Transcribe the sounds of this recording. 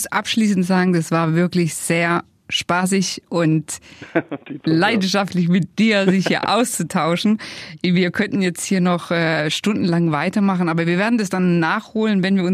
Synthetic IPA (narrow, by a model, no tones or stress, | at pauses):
sʔapʃliːsn̩tz̥aːɡŋ̩d̥asv̥aːɐvɪɐklɪçz̥eːɐ | ʃpaːs̬ɪçʔʊnt | laɪdn̩ʃaftlɪçmɪt̚d̥iːɐzɪçhhiːɐʔa̰ʊst͡sutʰaʊʃn̩viːɐkʰœntn̩jɛt͡sthiːɐnɔχʔɛːʃtʊndn̩laŋvaɪtɐmaχn̩ʔaːbɐviːɐveːɐdn̩dasd̥anːaːχhoːlənvɛnviːɐʊn